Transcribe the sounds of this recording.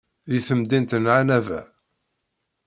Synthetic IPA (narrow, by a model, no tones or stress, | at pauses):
ðiθəmd̪int̪ənʕanævæ̰